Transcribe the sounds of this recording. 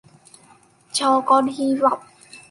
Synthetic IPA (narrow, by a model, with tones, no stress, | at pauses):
t͡ɕʰɔː˧kɔː˧nhiː˧ɾa˨˩p̚